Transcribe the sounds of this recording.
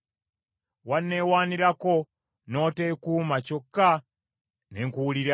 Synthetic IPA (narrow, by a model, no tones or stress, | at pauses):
wanːe̞ːwaːniɾako̞ | no̞ːte̞ːkuːmaco̞kːa | neŋkuwuliɾa